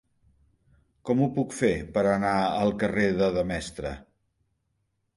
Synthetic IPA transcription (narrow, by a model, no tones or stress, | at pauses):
kɔmupukfepəɾənaəlˠkəreðəðəmɛst̪ɾə̰